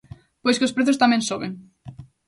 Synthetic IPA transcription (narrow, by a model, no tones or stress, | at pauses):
pojskospɾeθʊst̪amẽnsoβeŋ